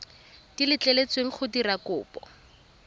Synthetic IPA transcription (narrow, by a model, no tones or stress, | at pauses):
dilɪt͡ɬelet͡sweŋ̩χʊdirakʊːpɔ̰